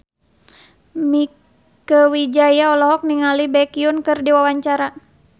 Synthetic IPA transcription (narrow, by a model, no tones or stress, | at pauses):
mi | kəwid͡ʒajaɔlɔɦɔk̚niŋalibɛkiunkɨrdiwawaɲt͡ʃaɾa